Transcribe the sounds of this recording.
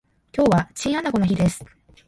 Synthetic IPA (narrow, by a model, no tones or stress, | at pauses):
kʲo̞ːβat͡ɕĩɰ̃anako̞noçid̪e̞sɨ̥